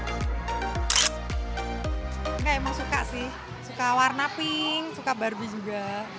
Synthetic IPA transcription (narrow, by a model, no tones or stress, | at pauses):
ŋɡaimaŋsuka̰ʔsɪh | sukawarnapɪŋsukabarbid͡ʒuɡa